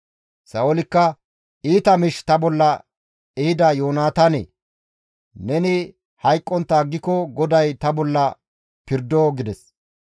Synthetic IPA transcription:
sɐolɪkːɐ | iːt̪ɐmɪʃt̪ɐbɔlːɐ | ɛhɪd̪ɐjoːnaːt̪ɐnḛː | nɛnɪ | hɐjkʼːɔnt̪ːaːɡːɪkɔɡɔd̪ɐjt̪ɐbɔlːɐ | pɪɾd̪oːɡɪd̪ɛs

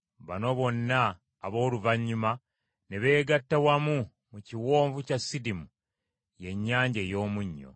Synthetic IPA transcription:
βa̰no̞βo̞nːaː | βo̞ːluvaɲːuma | neβe̞ːɡatːawamu | muciwo̞ːɱvucasːidimu | je̞ɲːaːɲɟejo̞ːmuɲːo̞̰

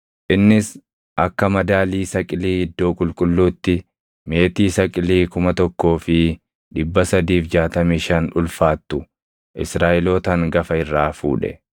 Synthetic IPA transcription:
ʔɪnːɪs | ʔɐkːɐmɐd̪aːliːsɐkʼɪliːɪd̪ːo̞ːkʼʊlkʼʊlːuːt̪ːɪ | me̞ːt̪iːsɐkʼɪliːkʊmɐt̪ɔkːo̞ːfɪ | ᶑɪbːɐsɐd̪iːfd͡ʒaːt̪ɐmiːʃɐnᶑʊlfaːt̪ːʊ | ʔɪsɾaːʔɛlo̞ːt̪ɐŋɡɐfɐɪrːaːfṵːᶑɛ̰

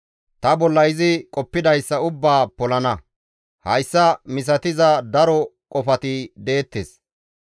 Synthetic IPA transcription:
t̪ɐbɔlːɐjɪzɪkʼɔpːɪd̪ɐjsːɐʊbːaːpɔlɐnɐ | hɐjsːɐmɪs̬ɐt̪ɪzɐd̪ɐɾɔkʼɔfɐt̪ɪd̪e̞ːt̪ːes

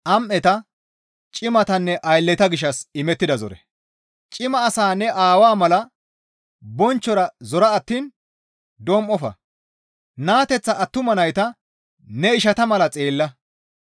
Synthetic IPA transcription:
ʔɐmʔːɛt̪ɐ | t͡ʃʼɪmɐt̪ɐnːɛʔɐjlːɛt̪ɐɡɪʃ̬ːɐsɪmɛt̪ːɪd̪ɐzɔ̰ɾɛ̰ | t͡ʃʼɪmɐːsaːnːɛʔaːwaːmɐlɐ | bɔnt͡ʃːɔɾɐzɔɾɐːt̪ːiːn | d̪oːmʔɔfɐ̰ | naːt̪ɛt͡sːɐʔːt̪ːʊmɐnɐjt̪ɐ | nɛɪʃɐt̪ɐmɐlɐt͡sʼeːlːɐ

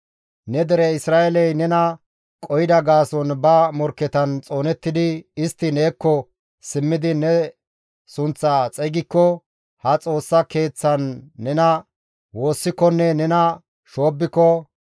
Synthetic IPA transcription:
nɛd̪ɛɾɛɪsɾaːʔɛlɛjnɛnɐ | kʼɔjɪd̪ɐɡaːsɔnbɐmɔɾkːɛt̪ɐnt͡sʼo̞ːnɛt̪ːɪd̪ɪɪst̪ːɪne̞ːkːɔ | sɪmːɪd̪ɪnɛ | sʊnt͡sːat͡sʼɛɡɪkːɔ | hɐt͡sʼo̞ːsːɐke̞ːt͡sːɐnːɛnɐ | wo̞ːsːɪkːɔnːɛnɛnɐ | ʃo̞ːbːɪkːɔ

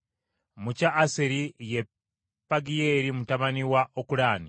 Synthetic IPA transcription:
mucaʔːseɾije | pːaɡijeɾimutaβaniwaʔokuɾaːni

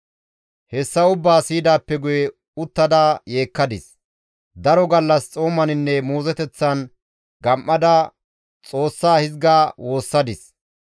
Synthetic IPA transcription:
hɛsːɐʊbːaːsiːd̪aːpːɛɡʊjɛ | ʊt̪ːɐd̪aːje̞ːkːɐd̪ɪs | d̪ɐɾɔɡɐlːɐst͡sʼo̞ːmɐnɪnːɛmuːzɛt̪ɛt͡sːɐn | ɡɐmʔːɐd̪ɐ | t͡sʼo̞ːsːaːhɪzɡaːwo̞ːsːɐd̪ɪs

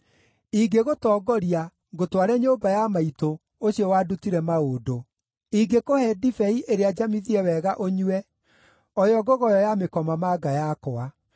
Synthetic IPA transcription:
iɡeɣotɔːɡɔɾia | ɣotwaɾɛɲobajamaito | oɕiɔwadutiɾɛmaoːdo | iɡekohɛdifɛiʔeɾead͡ʒamiðiɛwɛɣaʔoɲuɛ | ɔjɔɡɔɣɔjɔjamekɔmamaɡajakɔa

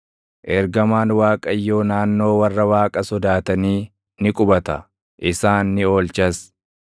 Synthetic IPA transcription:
ʔɛɾɡɐmaːnwaːkʼɐjːo̞ːnaːnːo̞ːwɐrːɐwaːkʼɐsɔd̪aːt̪ɐniː | nɪkʼʊbɐt̪ɐ | ʔɪsaːnːɪo̞ːlt͡ʃɐs

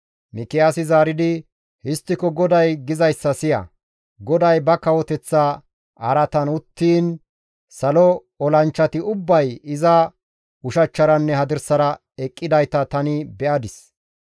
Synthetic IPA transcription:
mɪkɛasɪzaːɾɪd̪ɪ | hɪst̪ːɪkɔɡɔd̪ɐjɡɪzɐjsːɐsɪjɐ̰ | ɡɔd̪ɐjbɐkɐwɔt̪ɛt͡sːa | ʔɐɾɐt̪ɐnʊt̪ːiːn | sɐlɔ | ɔlɐnt͡ʃːɐt̪ɪʊbːɐjɪzɐ | ʊʃɐt͡ʃːɐɾɐnːɛhɐd̪ɪɾsɐɾɐ | ɛkʼːɪd̪ɐjt̪ɐt̪ɐnɪbɛʔɐd̪ɪs

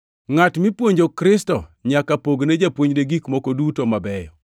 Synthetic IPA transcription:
ŋatmɪpwoɲd͡ʒokɾɪstɔɲakapoɡned͡ʒapwoɲdeɡikmɔkodutomabɛjɔ

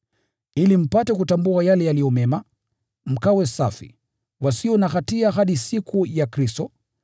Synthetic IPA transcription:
ilim̩patɛkutambuajalɛjalijɔmɛma | m̩kawɛsa̰fḭ | wasiɔnaxatiaɦaɗisikʰujakɾistɔ

